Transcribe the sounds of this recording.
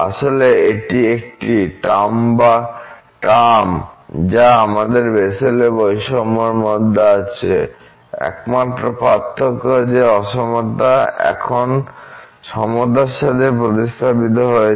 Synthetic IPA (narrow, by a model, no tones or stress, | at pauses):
a̰ʃoleeʈiek̚ʈiʈamba | ʈamd͡ʑaamad̪eɾbeselebojʃɔmoɾmɔd̪ʱːeat͡ɕʰe | ɛ̰kmat̪ːɾopɾat̪ʰːokod͡ʑeɔʃomod̪aɛ̰kʰon | ʃɔmod̪aɾʃat̪ʰepɾot̪ist̪ʰabit̪̬oɦoe